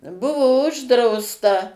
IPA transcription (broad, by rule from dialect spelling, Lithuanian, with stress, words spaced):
ˈbʊʋoː ˈʊʒdrɐʊstɐ